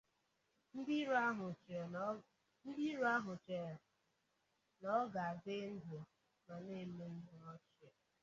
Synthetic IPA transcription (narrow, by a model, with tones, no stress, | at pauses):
n̩˦ɦʊ˨ | n̩˦di˦ɾa˦ɦʊ˨t͡ʃe˨ | nɔ˦ɡa˨dɪ˦n̩˦dʊ˨ | ma˨ne˦˨˦me˦n̩˦dʊ˨nɔ˦t͡ʃi˨e˨